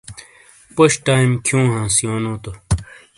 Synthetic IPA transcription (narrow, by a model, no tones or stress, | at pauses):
poɕʈaːjmkʰjũːɦãːsijoːnõːt̪o